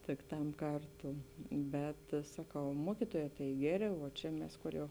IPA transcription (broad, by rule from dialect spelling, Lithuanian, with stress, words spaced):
tʲɪk ˈtɐm ˈkɐrˌtuː ˈbʲɛt sɐˈkɐʊ ˈmuɔkʲɪtuɔjɛː tɐɪ ˈɡʲæːˌrʲeː ʋuɔ ˈt͡ʃʲɛ mʲɛs ˈkoːr jɛʊ